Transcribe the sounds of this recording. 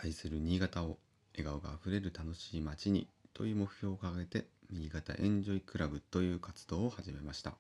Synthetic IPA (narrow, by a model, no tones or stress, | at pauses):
aisɨɾɯ̟ɲ̟iːɡat̪ao̞ | e̞ɡaoɡa̰ːɸɯ̟ɾe̞ɾɯ̟t̪ano̞ɕiːmat͡ɕiɲ̟ḭt̪o̞̰jɯ̟ːmo̞kɯ̟̥çʲjo̞ːkaɡaɡe̞t̪e̞ɲʲiiɡat̪a̰ʔẽ̞ɲd͡ʑo̞ikɯ̟ɾabɯ̟t̪o̞jɯ̟ːkat͡sɨ̥d̪̥o̞ːohaʑime̞maɕi̥t̪a̰